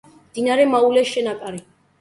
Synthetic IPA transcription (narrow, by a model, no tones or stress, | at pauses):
md̪̥inaɾɛmaulɛʃɛnapʼaɾi